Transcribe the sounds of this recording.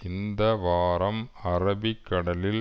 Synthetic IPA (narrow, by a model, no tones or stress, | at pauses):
ɪnd̪ɐʋaːɾɐmɐɾɐbɪkːɐɽɐlɪl